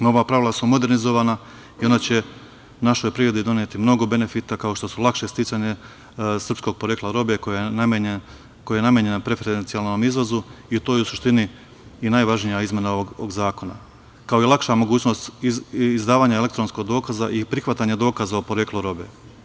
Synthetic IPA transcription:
no̞ʋapɾaʋilˠasumo̞d̪e̞ɾnizo̞ʋaːna | io̞nat͡ɕe̞ | unaʃo̞jpɾiːɾe̞d̪id̪o̞nje̞t̪imno̞ɡo̞be̞ne̞fit̪akao̞ʃt̪o̞sulˠakʃe̞st̪it͡ʃ̪aɲe | sr̩psko̞ɡ̚poɾjeklaɾo̞bekon | kojjenamjeɲenapɾe̞feɾd̪ent̪ialˠno̞mizʋozuit̪o̞ːjeusuʃt̪iniː | naːjʋaʒnijaizmje̞naoʋoɡo̰ɡzaːko̞na̰ | kao̞jelˠakʃamo̞ɡuːt͡ɕno̞st̪izd̪aːʋaːɲaele̞k̚t̪ɾo̞nsko̞ɡ̚d̪o̞ːkazaʔipɾixʋat̪aɲed̪o̞ːkazaopoɾekluɾo̞be

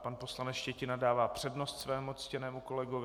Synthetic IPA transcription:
panpo̞slanɛt͡sʃcɛcɪnadaːvaːpr̝̥ɛdnost̪svɛːmut͡scɛnɛːmuko̞lɛɡovɪ

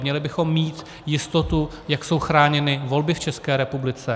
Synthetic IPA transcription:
mɲɛlɪbɪxo̞mːiːt̪ | jɪst̪o̞t̪u | jakso̞wxɾaːɲɛnɪvo̞lbɪft͡ʃɛskɛːɾɛpublɪt͡sɛ

